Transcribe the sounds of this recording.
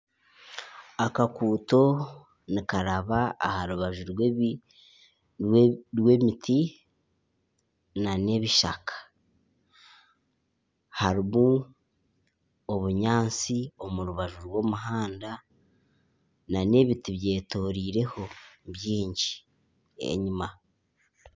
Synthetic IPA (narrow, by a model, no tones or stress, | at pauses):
akakuːto̞ | nikaɾaβaːhaɾuβaʒuɾwe | ɾwe̞mitʰi | nane̞βiʃa̰kʰḁ | haɾimu | oβuɲaːnt͡sio̞muɾuβaʒuɾwo̞ːmuɦaːnda | nane̞βitiβje̞ːto̞ːɾiːɾe̞ho̞βjiːɲɟi̥ | ḛɲima